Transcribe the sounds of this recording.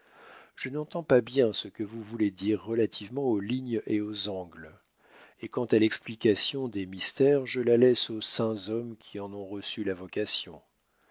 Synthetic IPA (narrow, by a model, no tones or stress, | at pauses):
ʒ̥ənɑ̃t̪ɑ̃pabjɛ̃səkəvuvuled̪iʁːəlat̪ʰivmɑ̃oliɲeozɑ̃ɡl | ekɑ̃t̪alɛksplikasjɔ̃d̪emist̪ɛʁʒəlalɛsosɛ̃zɔmkʲʰiɑ̃nɔ̃ʁəsylavɔkasjɔ̰̃